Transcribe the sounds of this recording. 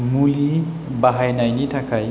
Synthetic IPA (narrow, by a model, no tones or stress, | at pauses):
muli | baɦajnajnitʰakʰaj